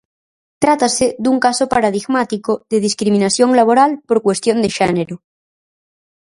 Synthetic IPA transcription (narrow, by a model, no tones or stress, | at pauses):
t̪ɾat̪aseðuŋkasopaɾaðiɣmat̪ikoðeð̞iskɾimĩnaθjo̞ŋlaβ̞o̞ɾalpo̞ɾkwe̞st̪jo̞nd̪eʃeneɾo